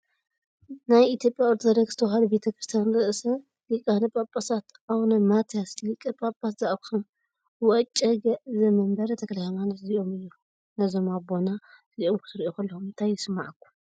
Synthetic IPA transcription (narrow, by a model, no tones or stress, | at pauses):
najit̪ʰjo̞pʼjawɔɾt̪ʰod̪ɐɾɐɡz̥ɨt̪ʰɐwhalube̞t̪ʰɐkɾɨst̪ʰjanɾɨʔsɐ | likʼanɐpʼapʼːasat̪ | awnɐmat̪ʰjaslɨkʼːɨpʼapʼat̪zaʔkʰɐm | wɐt͡ʃʼːɐɡɐʔzɐmɐmbɐɾɐt̪ʰɐklahɐmanot̪ziʔo̞mɨjːu | nɐzo̞mabo̞na | ziʔomkʰɨ̥t̪ɨɾʔokʰɐlːɐxumɨnt̪ʰajːɪsɨmːa̰ʕakʰːu